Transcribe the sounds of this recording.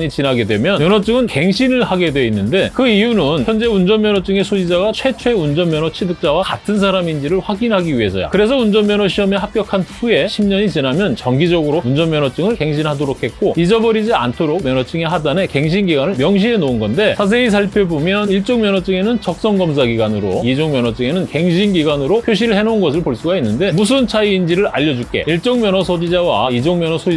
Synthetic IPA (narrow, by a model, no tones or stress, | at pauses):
ɲit͡ɕinaɡe̞dwe̞mjʌnmjʌnʌt͡ɕ͈ɯŋɯnke̞ŋɕʰinɯɭhaɡe̞dwe̞inːɯnde̞kɯijunɯnçjʌnd͡ʑe̞und͡ʑʌnmjʌnʌt͡ɕ͈ɯŋe̞sʰod͡ʑid͡ʑaɡat͡ɕʰwe̞t͡ɕʰwe̞und͡ʑʌnmjʌnwʌt͡ɕʰidɯk̚t͡ɕ͈awakatʰɯns̬ʰaɾamind͡ʑiɾɯɭɸwaɡinɦaɡiɥiɦe̞sʰʌ̰ja̰kɯɾe̞s̬ʰʌund͡ʑʌnmjʌnʌɕʰiʌme̞ɦap͈̚jʌkʰanɸue̞ɕʰimɲʌɲit͡ɕinamjʌnt͡ɕʌŋɡid͡ʑʌɡɯɾound͡ʑʌnmjʌnwʌt͡ɕ͈ɯŋɯɭke̞ŋɕ̬ʰinɦadoɾokʰe̞t̚k͈oid͡ʑʌbʌɾid͡ʑia̰ntʰoɾok̚mjʌnʌt͡ɕ͈ɯŋe̞ɦadane̞ke̞ŋɕ̬ʰinɡiɡwanɯɭmjʌŋɕ̬ʰiɦe̞nounɡʌnde̞sʰas̬ʰe̞is̬ʰaɭpʰjebomjʌniɭt͡ɕ͈oŋmjʌnʌt͡ɕ͈ɯŋe̞nɯnt͡ɕʌk̚s͈ʌŋɡʌms̬ʰaɡiɡanɯɾo̰id͡ʑoŋmjʌnʌt͡ɕ͈ɯŋe̞nɯnke̞ŋɕ̬ʰinɡiɡanɯɾopʰjoɕ̬ʰiɾɯɭhe̞nounɡʌs̬ʰɯɭpoɭs͈uɡainːɯnde̞mus̬ʰɯnt͡ɕʰaiːnd͡ʑiɾɯɾa̰ʎːʌd͡ʑukk͈e̞̰iɭt͡ɕ͈ʌŋmjʌnʌsʰod͡ʑid͡ʑawa̰id͡ʑoŋmjʌnʌsʰoi